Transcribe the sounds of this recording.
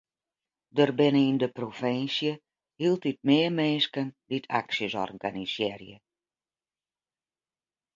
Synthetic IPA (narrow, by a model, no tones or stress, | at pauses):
dərbɪnəindəprofɪnsjə | hilˠtit̚mɪəmenskənditʰa̰ksjəzɔ̰rkʰa̰nisjɛrjə